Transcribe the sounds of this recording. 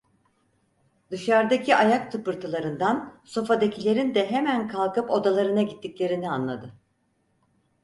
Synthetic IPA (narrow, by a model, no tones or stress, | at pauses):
d̪ɯʃaɾd̪acʰiʔajakt̪ʰɯpɯɾt̪ʰɯlˠaɾɯnd̪anso̞fad̪ecʰilʲe̞ɾind̪ɛɦemænkʰalˠkɯpo̞d̪alˠaɾɯnaɟit̪ʰːiclʲe̞ɾinianlˠa̰d̪ɯ